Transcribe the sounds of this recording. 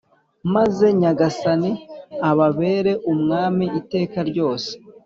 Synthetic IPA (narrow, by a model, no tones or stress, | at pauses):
maze̞ɲaɡasaniaβaβe̞ːɾe̞ʔumŋaːmiite̞ːkaɾɟo̞ːse̥